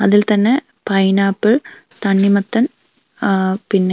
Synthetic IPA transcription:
ɐðilt̪ɐnːe | pɐjnaːpːɨɭ | t̪ɐɳːimɐt̪ːɐn | pinːe

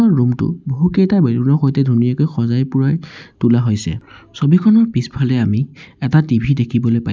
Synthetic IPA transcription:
ɔːumtʊ̰boɦukejtabelunɔxɔjtɛdʱunijakojxɔzajpʊɹajtulaɦojsɛ̰sobikʰɔnɔɹpispʰalɛamiɛtatibʱidekʰibɔlojpa

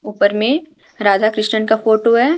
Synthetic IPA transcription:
uːpəɾmẽ | ɾaːd͡ʒakɾɪʃnənkafoːʈoɦɛ

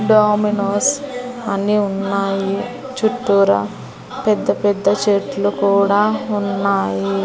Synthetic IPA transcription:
ɖaːminoːsɐniunːaːji | t͡ʃuʈːuːɾɐ̰ | pɛd̪ːɐpɛd̪ːɐt͡ʃeːʈlukuːɽaːunːaːji

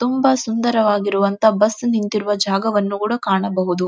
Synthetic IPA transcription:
t̪umbɐsund̪ɐɾɐʋaːɡiɾuʋɐnt̪ɐbɐsːnint̪iɾuʋɐd͡ʒaːɡɐʋɐnːukuːɽɐkaːɳɐbɐɦud̪u

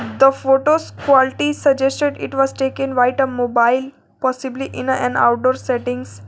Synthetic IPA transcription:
d̪əfoːʈoskʋɔliʈisəd͡ʒesʈeɖɪʈʋɔzʈeːkə̃nʋaɪʈəmobaɪl | pɔsibliʔɪ̃nɛ̃na̰ʊʈ̚ɖoːɾsɛʈĩŋɡs

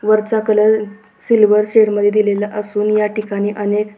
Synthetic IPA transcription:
ʋəɾt͡sakələɾ | silʋəɾseɽməd̪ʱjed̪ilelaʔəsuːnjaʈikaɽ̃iːʔənek

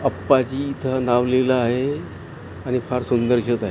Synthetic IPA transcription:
əpːad͡ʑiːt̪ʰənaʋleləaɦe | añifʰəɾsund̪əɾɕət̪aɦe

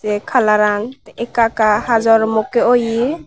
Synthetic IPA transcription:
ekʰalaɾaŋt̪ɛʔɛkakahazɔɾɔmɔkeɔji

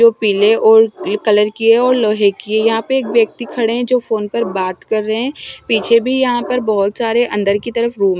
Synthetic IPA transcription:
oːpiːleʔɔːɾkɐləɾkieɔːɾlɔːɦekiejɐɦãpɐɾeːkʋjɐk̚t̪ikʰɐɽeɦɛ̃d͡ʒoːfoːnpɐɾbaːt̪kɐɾːəɦeɛ̃piːt͡ʃʰebʱijɐɦãpɐɾbɐɦʊt̪saːɾeʔɐ̃nd̪əɾkit̪ɐɾəfɾuːm

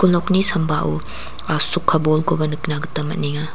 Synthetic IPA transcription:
kuloknisɐmbaʔu | sukʰːɐbolɡobɐnɯknaɡɯtɐmɐ̰t̚niŋa

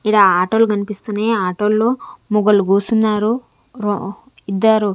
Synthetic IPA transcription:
iɽaːaːʈoːluɡɐnipist̪uneːaːʈoːlːoːmuɡɐluɡuːsunːaːɾu | ɾo | id̪ːaːɾu

